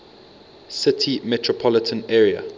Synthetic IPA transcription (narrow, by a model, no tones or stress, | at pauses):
sɪtʰimɛtʰɹɔpʰɔlɪtʰə̃nɛːɹiə̰